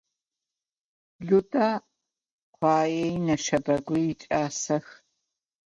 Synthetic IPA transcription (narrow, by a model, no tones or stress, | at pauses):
ɮuda | qʷʰɑːjɛinɐʃɐbɐɡʷijɪt͡ʃʼaːsɐx